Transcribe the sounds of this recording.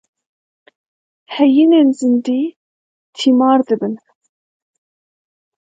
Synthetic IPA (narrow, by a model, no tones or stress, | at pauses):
hɛjinenzɨnd̪iː | t̪ʰimɑːɾd̪ɨbɨn